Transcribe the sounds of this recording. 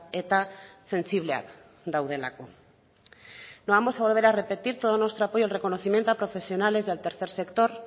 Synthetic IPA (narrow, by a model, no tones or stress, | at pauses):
et̪ase̞nsiβ̞lea̰k | d̪awð̞e̞la̰ko | noβamo̞saβo̞lβe̞ɾare̞pe̞t̪iɾt̪o̞ð̞onwe̞st̪ɾoapo̞jolre̞ko̞no̞θimje̞nt̪oapɾo̞fe̞sio̞nale̞zðelt̪e̞ɾθe̞ɾse̞kt̪o̞ɾ